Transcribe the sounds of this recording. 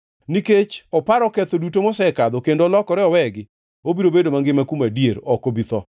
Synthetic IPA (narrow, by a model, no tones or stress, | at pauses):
niket͡ʃɔpaɾɔkɛt̪odutomɔsɛkad̪ɔkendoɔlɔkɔɾɛɔwɛɡɪ | obiɾobedomaŋɡɪmakumadjeɾɔkobit̪ɔ